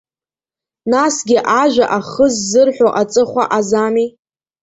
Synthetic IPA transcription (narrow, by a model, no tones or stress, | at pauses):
nasɡʲɪʔaʒʷᶣaʔaχəzːɨrħʷᶣoʔat͡sʼɨχʷa̰ʔazami